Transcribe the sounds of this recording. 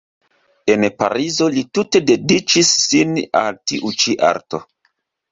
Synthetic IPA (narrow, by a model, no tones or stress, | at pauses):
e̞npa̰ɾizo̞litute̞de̞dit͡ʃisːina̰ltiʔut͡ʃiʔa̰ɾto̰